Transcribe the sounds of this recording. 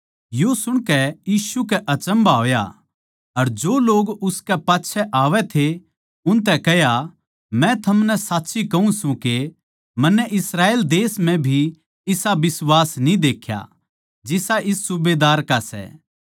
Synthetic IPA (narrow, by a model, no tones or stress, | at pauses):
josʊɽ̃kɛjiːʃukɛʔɐt͡ʃə̃mbaɦoːja̰ | ɐɾd͡ʒoːloːɡʊskɛpaːtːʃʰɛʔaːʋɛt̪ʰe | ʊnt̪̬ɛkɛɦja | mɛ̃t̪ʰɐmnɛsaːtːʃikɐũsũke | mɐ̃nːɛʔɪsɾaːeːld̪eːsm̤ɛ̃bʱi | ɪsabɪswaːsnĩd̪eːkʰja̰ | d͡ʒɪsaʔɪsːʊbeːd̪aːɾkasɛ̰ː